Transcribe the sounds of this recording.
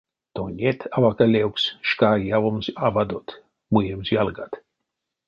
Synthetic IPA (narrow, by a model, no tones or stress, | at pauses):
t̪onʲet̪ʰavakalʲɛwksʃkajavomsavad̪ot̪ | mujemsjalˠɡa̰t̪